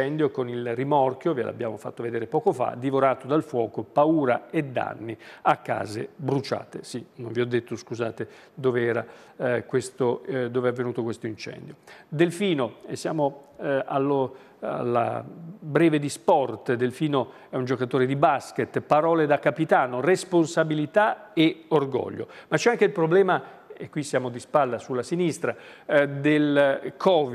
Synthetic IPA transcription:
ɛnd̪jokonilrimɔrk̟jovelʔa̰bːjaːmofat̪ːoved̪eːɾepɔːkofa̰d̪ivoɾaːt̪od̪alfwɔːkopauːɾaed̪ːa̰nːiakːa̰ːzḛbɾut͡ʃa̰ːt̪esinõɱviɔd̪ːet̪ːoskuza̰ːt̪ed̪oːveɛːɾakwest̪od̪oːveɛavːenuːt̪okwest̪oint͡ʃɛ̰nd̪jod̪elfiːnoesːjaːmoa̰lːo | a̰lːa̰bɾɛːved̪ispɔrt̪d̪elfiːno | ɛund͡ʒokat̪oːɾed̪ibasket̪ːpaɾɔːled̪akːapit̪aːnoresponsabilit̪aeorɡɔ̰ʎːo̰mat͡ʃːɛaŋk̟eilpɾoblɛːma | ḛkːwisjaːmod̪ispalːasulːasinist̪ɾad̪elkʰɔːv

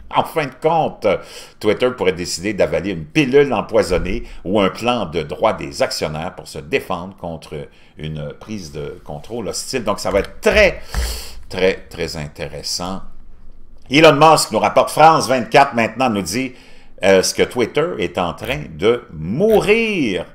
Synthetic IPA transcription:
ɑ̃fɛ̃d̪əkɔ̃t̪ː | wɪt̪ə˞puʁɛd̪esid̪ed̪avaleynpilylɑ̃pwazɔneuœ̃plɑ̃d̪əd̪ʁwad̪ezaksjɔnɛːʁpuʁsəd̪efɑ̃d̪ʁkɔ̃t̪ʁ | y̰npʁiːzd̪ə̰kɔ̃t̪ʁolɔst͡sɪld̪ɔ̃ksavaɛːt̪χt̪ʁɛ | t̪ʁɛt̪ʁɛzɛ̃t̪eʁesɑ̃ | ilɔnmɔsknuʁapɔʁt̪fʁɑ̃ːsvɛ̃t̪̚kʲat̪χmɛ̃t̪nɑ̃nud͡zi | ɛskət̪wɪt̪ə˞ɛt̪ɑ̃t̪ʁɛ̃d̪əmuʁiːʁ

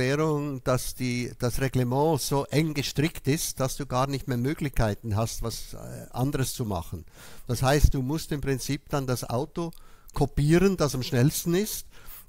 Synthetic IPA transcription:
ɛːʁʊŋd̥asd̥iːd̥asʁeɡləmɑ̃ːz̥oːʔɛŋɡəʃtʁ̥ɪktɪstd̥asd̥uːɡaːɐnɪçtmeːɐmøːɡlɪçkʰaɪtn̩ɦastv̥asʔandəʁəst͡suma̰χən̩ | d̥ashaɪst̚d̥uːmʊstɪmpʁ̥ɪnt͡siːpd̥andasʔa̰ʊtokʰopiːʁənd̥asamʃnɛlstn̩ɪst

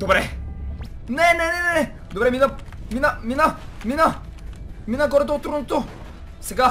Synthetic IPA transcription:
d̪obɾɛ | nɛnɛnɛnɛnɛ | d̪obɾɛminəminəminəminə | minəɡɔɾət̪oot̪ːɾunot̪o | sɛɡa

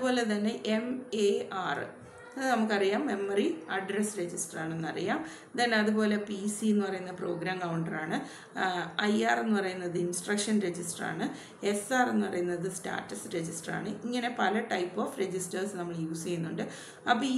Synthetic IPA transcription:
po̞ːle̞t̪̬ɐnːe̞ʔemeːaːr̰ | nɐmukːɐrijaːmːe̞mːɐriɐɖresɾe̞d͡ʑisʈɐraːɳenːɐrijaːm | t̪ɐnːeɐðubo̞ːle̞pisienːɨpɐrɐjunːɐpro̞ːɡɾaːmkɐwuɳɖɐraːɳɨ | ɐjaːre̞nːupɐrɐjunːɐðɨinsʈrɐkʂɐnɾe̞d͡ʑisʈɐra̰ːɳɨ | e̞saːrenːupɐrɐjunːɐðɨsta̰ːtːɐsɾe̞d͡ʑisʈɐra̰ːɳɨiŋːɐne̞pɐlɐʈɐjpːo̞ːfre̞d͡ʑistɐrsnɐmːɐɭjuːsejunːuɳɖɨ | ɐpːi

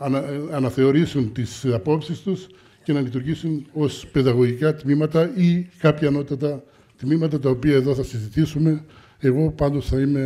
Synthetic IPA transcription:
nɐnɐθe̞o̞ɾisunt̪isɐpo̞psist̪us | ce̞nɐlit̪uɾʝisuno̞spe̞ðɐɣo̞ʝikɐt̪mimɐt̪ɐikɐpçɐːno̞t̪ɐt̪ɐ | t̪mimɐt̪ɐt̪ɐopiɐe̞ðo̞θɐsizit̪isume̞ | eɣo̞pɐnd̪o̞sθɐime̞

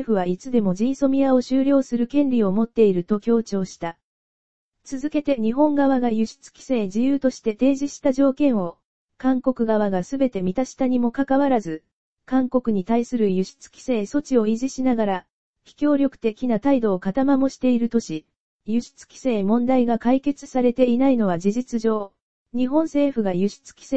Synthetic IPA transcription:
eɸɯ̟β̞ait͡sɨd̪e̞mo̞d͡ʑĩĩso̞mʲiao̞ɕɨːɾʲjo̞ːsɨɾɯ̟kẽ̞nɾʲio̞mo̞t̪ːe̞iɾɯ̟t̪o̞kʲo̞ːt͡ɕo̞ːɕi̥t̪a | t͡sɨzɨke̞t̪e̞ɲ̟iɦõ̞ŋɡaβaɡajɯ̟ɕi̥t͡sɨ̥kʲi̥seːd͡ʑijɯːt̪o̞ɕi̥t̪e̞t̪e̞ːʑiɕi̥t̪aʑo̞ːkẽ̞ɰ̃o̞ | kãŋko̞kɯ̟ɡaβ̞aɡasɨbe̞t̪e̞mʲit̪aɕi̥t̪aɲ̟imo̞kakaβaɾazɨ | kãŋko̞kɯ̟ɲ̟it̪aisɨɾɯ̟jɯ̟ɕi̥t͡sɨ̥kʲi̥seːso̞t͡ɕio̞iʑiɕinaɡaɾa | çi̥kʲo̞ːɾʲjo̞kɯ̟̥t̪e̞kʲinat̪aid̪o̞ːkat̪amamo̞ɕi̥t̪e̞iɾɯ̟t̪o̞ɕi | jɯ̟ɕi̥t͡sɨ̥kʲi̥seːmõ̞nd̪aiɡakaike̞t͡sɨ̥saɾe̞t̪e̞inaino̞β̞ad͡ʑiʑit͡sɨʑo̞ː | ɲ̟iɦõ̞ɰ̃se̞ːɸɯ̟ɡajɯ̟ɕi̥t͡sɨ̥kʲi̥se

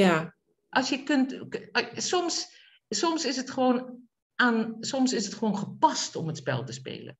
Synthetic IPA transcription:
ja | ʔɑsjəkɵnt | sɔms | sɔmsɪsətχəʋoːn | aːnsɔmsɪsətχəʋoːnχəpɑstɔmətspɛ̰lˠtəspḛːlə̰n

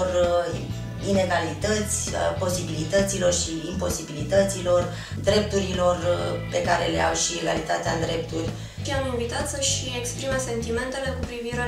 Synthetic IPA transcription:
r | ine̞ɡalit̪ət̪sʲə̰po̞sibilit̪ət̪silo̞rʃiːmpo̞sibilit̪ət̪silo̞r | d̪ɾe̞p̚t̪uɾilo̞rpe̞kaɾe̞le̞̰a̰wʃie̞ɡalit̪at̪ead̪ɾe̞p̚t̪urʲ | iaminvit̪at̪səʃiekspɾimese̞nt̪ime̞nt̪e̞le̞kupɾiviɾe

